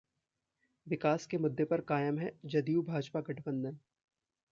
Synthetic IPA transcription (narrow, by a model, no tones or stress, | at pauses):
ʋɪkaːskemʊd̪ːepɐɾkaːjəmɦɛd͡ʒɐd̪iubʱaːd͡ʒpaɡɐʈʰbə̃nd̪ən